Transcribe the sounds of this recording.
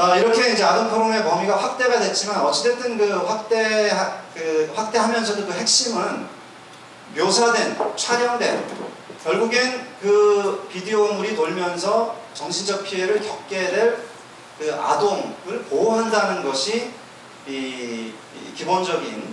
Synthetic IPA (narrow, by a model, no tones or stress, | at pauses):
ʌiɾʌkʰe̞ind͡ʑe̞adompʰoɾoŋe̞mʌmiɡaɸwak̚t͈e̞ɡadwe̞t͡ɕ͈imanʌt͡ɕ͈etʰet͈ɯnkɯɸwak̚t͈e̞ɦakɯɸwak̚t͈e̞ɦamjʌns̬ʰʌdokɯɦe̞k̚ɕ͈imɯn | mjosʰadwe̞nt͡ɕʰwaɾjʌŋdwe̞̰n | kjʌɭɡuɡenkɯpidioːmuɾinoɭmjʌnsʰʌt͡ɕʌŋɕʰind͡ʑʌk̚pʰieɾɯɭkjʌp̚k͈e̞de̞ɭ | kɯa̰doŋɯɭpooɦandanɯnɡʌɕʰi | i | kibond͡ʑʌɡin